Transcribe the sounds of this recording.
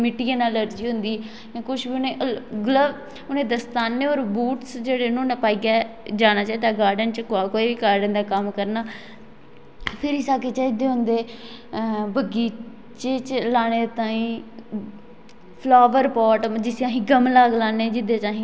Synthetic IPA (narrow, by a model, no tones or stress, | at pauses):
mɪʈiːənɛːləɾd͡ʒiːɦʊ̃nd̪iː | ãːkʊʃbiːʊneːʔɡləʋ | ʊnẽːd̪əst̪aːneːɔːɾbuːʈsd͡ʒeːɽeːnũːnãːpaːiːɡɛːd͡ʒaːɽ̃aːt͡ʃaːid̪aːɡaːɾɖənt͡ʃkakoːiːʋiːkaːɾɖənd̪aːkəmkəɾnaː | pʰɪɾisaːkeːt͡ʃaːɪd̪eːɦʊ̃nd̪eː | bəɡiː | t͡ʃeːt͡ʃlaːɽ̃eːt̪ãːĩː | pʰloːʋəɾpɔːʈd͡ʒɪsãːɦĩːɡəmlaːɡlaːneːd͡ʒɪd̪eːt͡ʃãːɦĩː